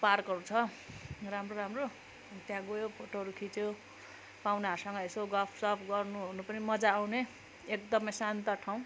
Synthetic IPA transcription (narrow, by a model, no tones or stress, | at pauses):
parkʌɾut͡sʰʌ | ramroɾamro | t̪jãɡojopʰoʈoɦʌɾukʰit͡so | pawnaasʌŋɡʌesoɡʌlpʰsʌpʰɡʌrnuɦonupʌnimʌd͡zaːwne | ekd̪ʌmʌjsant̪ʌʈʰaw̃